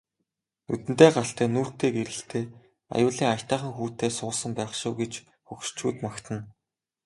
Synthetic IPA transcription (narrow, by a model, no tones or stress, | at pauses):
nut̪ɘ̆n̥t̪eːɢaɬt̪æːnuːr̥t̪eːɡeɾɘ̆ɬt̪eː | a̰jʊːɮiːŋajt̪æːχə̆ŋxuːt̪eːsʊːsə̆mpæːχʃʊːɡet͡ɕ | xɵkʃt͡ɕʰuːt̪makt̪ʰə̆n